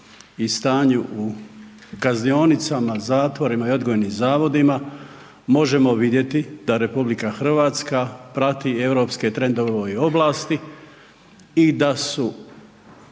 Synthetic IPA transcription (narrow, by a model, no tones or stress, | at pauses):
ist̪aːɲuʔu | kaznio̞nit̪samazaːt̪ʋo̞ɾimaio̞d̪ɡojenimzaːʋo̞d̪ima | mo̞ʒe̞mo̞ʋid̪je̞t̪id̪aɾe̞publikaxr̩ʋaːt̪skapɾat̪ie̞wɾo̞pske̞t̪ɾe̞nd̪o̞ʋʋojo̞blaːst̪i | id̪asu